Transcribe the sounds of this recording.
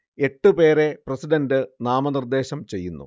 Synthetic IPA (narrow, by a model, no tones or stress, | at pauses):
e̞ʈːɨpe̞ːɾe̞prɐsiɖɐndɨnaːmɐnird̪e̞ːɕɐmt͡ɕe̞jːunːṵ